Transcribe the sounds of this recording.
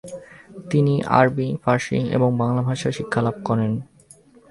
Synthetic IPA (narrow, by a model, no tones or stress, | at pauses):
t̪iniʔa̰ɾbifaɾʃḭŋḛboŋbaŋlabʱaʃaʃikʰːalab̚kɔɾen